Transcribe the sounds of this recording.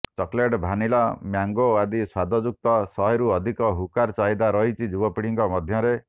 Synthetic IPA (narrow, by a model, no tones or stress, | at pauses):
t͡ʃɔkleʈbʱanilɔmjaŋɡoad̪iswad̪ʱɔd͡ʒuk̚t̪ɔsɔɦeɾuɔd̪ʱikɔɦukaɾt͡ʃaɦid̪aɾɔɦit͡ʃʰid͡ʒubɔpiɽiŋkɔmɔd̪ʱjɔɾe